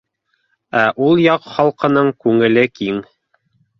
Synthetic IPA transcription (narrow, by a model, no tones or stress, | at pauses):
æʔulˠjɑqχɑlˠqɤ̆nɤɴkʉŋɘ̆lɘkiŋ